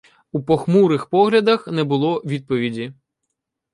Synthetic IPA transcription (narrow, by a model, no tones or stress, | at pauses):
upɔxmuɾɪxpɔɦlʲɐd̪ɐxnɛbʊlˠɔʋʲid̪̚pɔʋʲidʲi